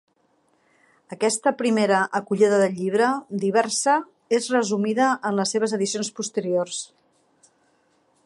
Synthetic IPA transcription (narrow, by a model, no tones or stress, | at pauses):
əkɛst̪əpɾimeɾəʔəkuʎiðəðəʎːiβ̞ɾəd̪iβ̞ɛrsə | ezrəzumiðəʔənləsːeβ̞əzəðisionspust̪əɾiors